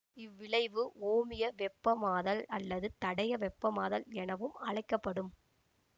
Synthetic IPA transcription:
ɪʋːɪɭɐɪʋɯʔoːmɪjɐʋɛpːɐmaːðɐlɐlːɐðɯt̪ɐɽɐjɐʋɛpːɐmaːðɐlɛnɐʋɯmɐɻɐɪkːɐpːɐɽɯm

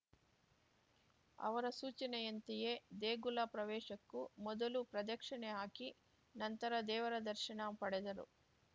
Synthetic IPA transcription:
ɐ̰ʋɐɾɐsuːt͡ʃɐnɛjɐnt̪ijeːd̪eːɡulɐpɾɐʋɛːʃɐkːumɔd̪ɐlupɾɐd̪ɐkʂɐɳeɦaːki | nɐnt̪ɐɾɐd̪ɛːʋɐɾɐd̪ɐɾʃɐɳɐpɐɽɛd̪ɐɾṵ

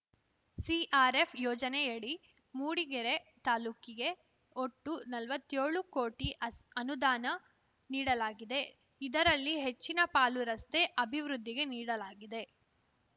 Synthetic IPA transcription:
siʔaːɾepʰjɔːd͡ʒɐnejeɽi | muːɽiɡeɾet̪aːluːkiɡe̞ | oʈːunɐlʋɐt̪ːjeːɭukoːʈiɐnud̪aːnɐ | niːɽɐlaːɡid̪e̞ | id̪ɐɾɐlːiɦe̞t͡ʃːinɐpaːluɾɐst̪e̞ʔɐbʱiʋɾud̪ʱːiɡe̞niːɽɐlaːɡid̪e̞

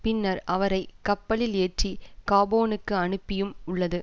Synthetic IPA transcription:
pɪnːɐɾɐʋɐɾɐɪkːɐpːɐlɪleːʈrikaːboːnɯkːɯɐɳɯpːɪjɯmʊɭːɐðɯ

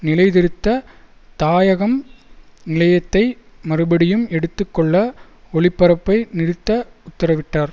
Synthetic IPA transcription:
nɪlɐɪðɪɾɯt̪ːɐ | t̪aːjɐɣɐmnɪlɐjɐt̪ːɐɪ | mɐrɯbɐɽɪjɯmɛɽɯt̪ːɯkːɔɭːɐ | ɔɭɪpːɐɾɐpːɐɪnɪɾɪt̪ːɐʊt̪ːɐɾɐʋɪʈːaːɾ

